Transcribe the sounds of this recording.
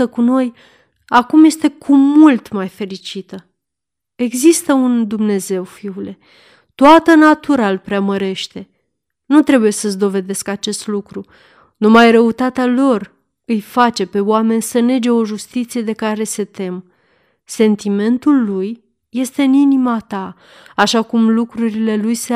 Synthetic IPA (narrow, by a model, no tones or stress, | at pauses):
əkuno̞j | akumje̞st̪e̞kʰumult̪majfe̞ɾit͡ʃit̪ə | e̞ɡzist̪əund̪umne̞ze̞wfiule̞ | t̪oat̪ənat̪uɾalpɾeaməɾe̞ʃt̪e̞ | nut̪ɾe̞buje̞səzd̪o̞ve̞d̪e̞skat͡ʃe̞st̪lukɾu | numajrəut̪at̪ealo̞r | ɨjfat͡ʃe̞pe̞wame̞nʲsəne̞d͡ʒe̞o̞ʒust̪it̪sije̞d̪e̞kaɾe̞se̞t̪e̞m | se̞nt̪ime̞nt̪ulːujː | e̞st̪e̞ɨninimat̪aː | ʃakumlukɾuɾile̞lujse